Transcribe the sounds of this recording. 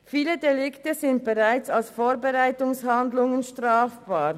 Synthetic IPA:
fiːlədelɪktəzɪnt̚b̥eʁaɪt͡salsfoːɾbɛʁaɪtʊŋshandlʊŋənʃtʁaːfb̥aːɾ

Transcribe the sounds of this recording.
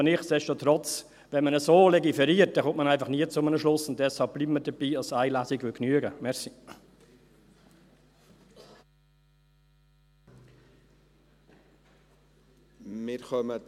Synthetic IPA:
nɪχsdɛʃtotrɔt͡s | vɛnmənəsoːlɛɡifɛɾiəɾt̚d̥ɛχʊ̃mtmənaɪfɑχniət͡sʊmənəʃlʊsʊnt̚d̥ɛshɑlp̚bliːbməɾd̥əb̥iːɑsaɪlasiɡʋʏknyəɡəmɛsi | mɪɾχœmə

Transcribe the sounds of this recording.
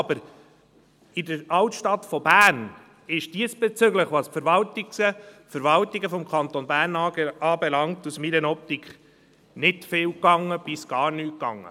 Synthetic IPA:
ɑbəɾ | ɪdəɾɑwtʃtɑtfɔbæːɾn | ɪʃd̥iəsb̥ɛt͡sʏɡləχʋɑːsfəɾvɑltiksəfəɾvɑltiɡəfɔmkʰχɑnt̪ɔnbæːrnɑːbɛlɑŋtusmiɾənɔp̚tikχ | nɪtfɪːwkɑŋːəb̥isɡ̥ɑːɾnyːt̚kɑ̰ŋːə̰

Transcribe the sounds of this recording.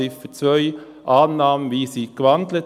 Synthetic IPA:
iffət͡svœʏ | ʔɑːnːɑːmənviːsiːɡ̥vɑndlət

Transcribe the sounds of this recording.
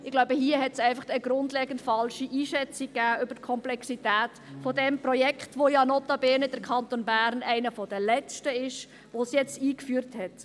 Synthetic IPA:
ɪɡ̥laʊbəɦiəɦɛtsæɪfɑχtəɡɾʊndlɛːɡ̥əntfɑlʃiʔiːʃɛt͡sik̚ɡ̥ːæːʔʏbəɾtkʰɔmplɛksitæːtfɔdɛmprɔjɛkχtʋojɑnɔtɑbɛnəd̥əɾkʰɑnt̪onbæːɾnæɪnəfɔd̥əlɛt͡stəɪʃ | ʋosjɛt͡stiːkfyːɾthɛt

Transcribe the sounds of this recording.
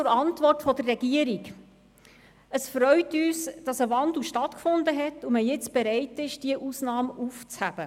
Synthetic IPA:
t͡sʊɾɑntʋɔrtfɔd̥̪ərːɛɡ̥iəɾik | əsfɾœʏtyːsd̥ɑsəʋɑnd̪l̩ʃtɑtkfʊnd̪əɦɛtuməjɪt͡sb̥ɛɾɛɪtɪʃd̥iəʔusnɑːmuft͡shæb̥ə

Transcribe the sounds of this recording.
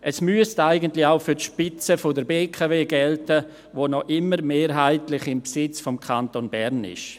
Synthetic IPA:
ʔəsmyəstaɪɡəntlɪaʊfyɾtʃpɪt͡səfodəɾbeːkʰaveːɡɛltə | ʋoːnɔʔɪməɾmeːɾɦaɪtlɪχɪmpsɪt͡sfomkʰantonbɛɾnɪ̰ʃ

